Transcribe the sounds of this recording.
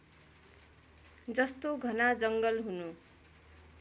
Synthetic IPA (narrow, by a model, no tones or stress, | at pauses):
d͡zʌst̪oɡʱʌnad͡zʌŋɡʌlɦunu